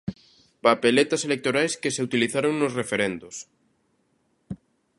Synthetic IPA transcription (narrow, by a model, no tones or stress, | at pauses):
papelet̪ɐselek̚t̪oɾajskeseut̪iliθaɾoŋnosrefeɾɛnd̪ʊs